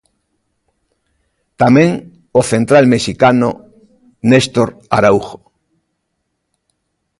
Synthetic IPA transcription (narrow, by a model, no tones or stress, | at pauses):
t̪amẽŋ | oθent̪ɾalmeʃikano̰ | nest̪oɾa̰ɾauxo̥